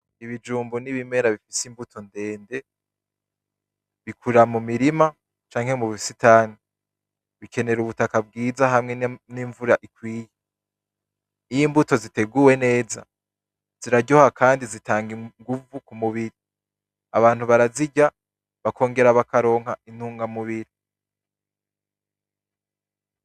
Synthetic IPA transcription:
iβid͡ʒuːmboniβime̞ɾaβifisimbutʰo̞nde̞ːnde̞ | βikʰuɾamumiɾima | t͡ʃaːŋ̥he̞muβsitaːni | βike̞ne̞ɾuβutakab̚ɡiːzaɦamŋe̞niːɱvuɾaʔikwiːje | ijimbuto̞zite̞ɡuwe̞ne̞ːza̰ | z̥iɾaɟohakaːndizitaːŋɡiŋɡuvukumuβiɾi | aβaːn̥huβaɾaziɟa | βakʰo̞ːŋɡe̞ɾaβakaɾo̞ːŋ̥hain̥huːŋɡamuβiɾi

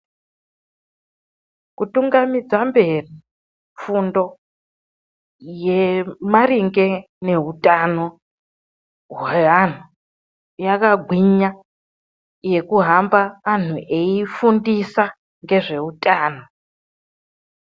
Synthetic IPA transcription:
kutuŋɡamid͡zambe̞ri | ɱfundo̞ | jemariŋɡe̞ | ne̞ɦutʼano | ɦan̤u | jakaɡʱwiɲa | je̞kuɦambaʋan̤uʔe̞ifundisa | ŋɡe̞ʐe̞utʼaːno

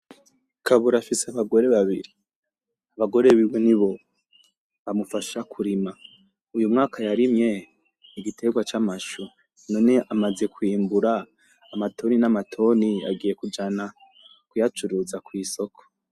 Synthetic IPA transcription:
kʰaβuɾafiseaβaɡo̞ɾe̞βaβiɾi | aβaɡo̞ɾe̞βiweniβo̞ | βamufaʃakʰuɾima | ujumŋaːkʰajaɾimŋe̞ | iɡitʰe̞ɡwat͡ʃamaʃu | no̞ːne̞ʔamaze̞kwiːmbuɾaː | matʰo̞ninamatʰo̞nia̰ɡiːje̞kud͡ʒana | kujat͡ʃuɾuzakwiːso̞kʰo̥

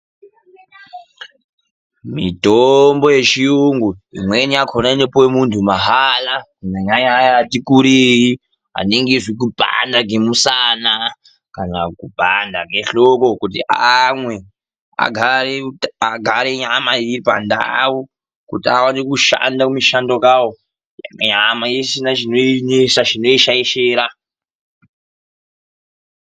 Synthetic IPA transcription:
mitombojet͡ʃijuŋɡuḭmweniakʰonainepowemuntʰumaɦalakunaɲaɲajaatikuɾiɦi | a̰neŋɡeʐik̬ubʱa̰ndaɡemusana | kanakub̥ʱandaɡeɬokokut̬iamwe̞ | a̰ɡʱareaɡʱaɾeɲamaiɾiipa̰nda̰wu | kutiawanikuʃa̰ndakumiʃandokawo | ja̰kaɲamajesinat͡ʃinoinesaʐino̞iʃajiʃeːɾa

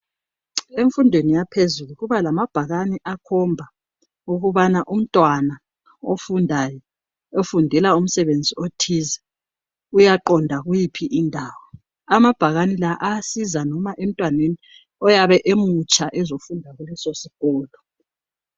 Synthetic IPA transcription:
eɱfundʱwenijapʰezuluɣuβalamab̥ʱaɣaniʔakʰɔmbʱa | uɣuβanaʔum̩tʼwana | ofundʱajɔ | ofundʱɛlaum̩sɛβend͡zʱiotʰizɛ | ujaǃɔndʱaɣujipʰiʔindʱaːwɔ | amab̥ʱaɣanilaʔasizanɔmaʔem̩tʼwaneni | ɔjaβɛʔemut͡ʃʼaʔɛzofundʱaɣulɛsosiɣɔːlɔ

